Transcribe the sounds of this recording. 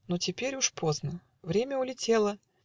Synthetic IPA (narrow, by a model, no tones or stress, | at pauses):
notʲɪpʲeɾʲuʂpʰo̞znə | vɾʲemʲəʊlʲɪtʲelˠə